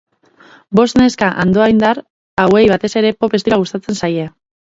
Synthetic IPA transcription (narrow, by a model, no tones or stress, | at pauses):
bo̞st̪ne̞skaʔand̪o̞ajnd̪aɾ | awe̞jβ̞at̪e̞se̞ɾe̞po̞pe̞st̪iɾaɣust̪at͡se̞nsaje